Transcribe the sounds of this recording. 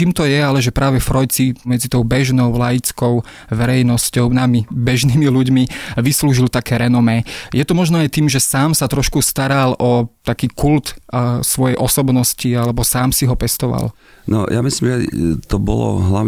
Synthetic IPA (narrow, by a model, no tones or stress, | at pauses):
t͡ʃiːmt̪ɔjɛalɛʒɛpɾaːʋɛfɾɔjt͡simɛd͡zit̪ɔʊbɛʒnɔʊlajit͡skɔʊ | ʋɛɾɛjnɔscɔʊnamibɛʒniːmiluɟmiʋisluːʒilt̪akɛːɾɛnɔmɛjɛt̪ɔmɔʒnɔajt̪iːmʒɛsaːmsat̪ɾɔʃkust̪aɾalʔɔt̪akiːkult̪sʋɔjɛjʔɔsɔbnɔscialɛbɔsaːmsiɦɔpɛst̪ɔʋa̰l | nɔ̰jamislimʒɛ̰t̪ɔbɔ̰lɔ̰ɦla